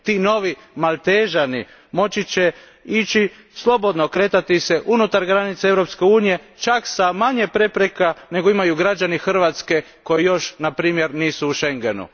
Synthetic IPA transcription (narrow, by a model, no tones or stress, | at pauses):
t̪iːno̞ʋimalˠt̪eʒani | mo̞t͡ɕit͡ɕe | it͡ʃi | slˠo̞bo̞d̪nokɾe̞t̪at̪iseʔunut̪aɾɡɾanit̪seeʋɾopskeuːnije̞t͡ʃaksamaɲepɾe̞pɾe̞kane̞ɡoimajuɡɾad͡ʒanixr̩ʋat̪ske̞ | ko̞jijo̞ʃnapɾiːmje̞ɾniːsuːʃe̞ŋɡenṵ